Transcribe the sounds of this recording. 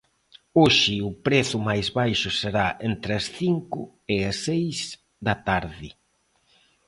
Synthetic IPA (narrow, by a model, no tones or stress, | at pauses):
oʃɪʊpɾeθʊmajzβajʃʊseɾaʔent̪ɾɪɐsθiŋkʊ | ɪɐsejs | d̪ɐt̪aɾðɪ